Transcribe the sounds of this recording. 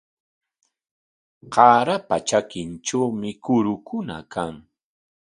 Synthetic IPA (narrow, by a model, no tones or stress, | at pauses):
qɑːɾapat͡ʃakɪnʈ͡ʂawmɪkʊɾʊkʊna̰kaŋ